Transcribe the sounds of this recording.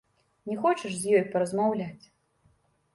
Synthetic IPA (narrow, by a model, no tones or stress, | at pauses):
nʲɛxɔt͡ʃɛʂzʲjɔjpɐɾɐzmawlʲat͡sʲ